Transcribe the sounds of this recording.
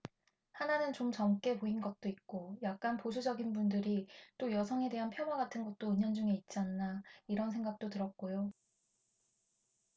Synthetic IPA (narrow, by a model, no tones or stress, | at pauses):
hananɯnt͡ɕomt͡ɕʌmk͈e̞poinɡʌt̚t͈oik͈ojak̚k͈anposʰud͡ʑʌɡinbundɯɾit͈ojʌsʰʌŋe̞de̞ɦanpʰjʌmaɡatʰɯnɡʌt̚t͈oɯɲʌnd͡ʑuŋeit̚t͡ɕ͈ianːaiɾʌns̬ʰe̞ŋɡak̚t͈otɯɾʌt̚k͈ojo